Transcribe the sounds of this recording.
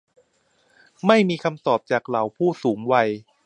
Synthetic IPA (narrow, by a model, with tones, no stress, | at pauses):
ma˥˩jmiː˧kʰa˧mt̪ɔː˨˩p̚t͡ɕaː˨˩k̚la˩˦wpʰuː˥˩suː˩˦ŋwa˧j